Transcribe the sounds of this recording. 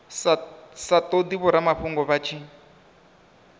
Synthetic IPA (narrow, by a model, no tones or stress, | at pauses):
sasat̪ʼod̪iβɔɾamaɸuŋɡɔβat͡ʃʰi